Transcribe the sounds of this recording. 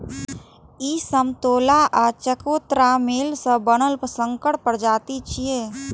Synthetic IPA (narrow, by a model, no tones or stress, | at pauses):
iːsəmt̪oːlaːʔaːt͡ʃəkoːt̪ɾaːmeːlsəbənəlpsə̃ŋkəʈ̚pəɾd͡ʒaːt̪it͡ʃie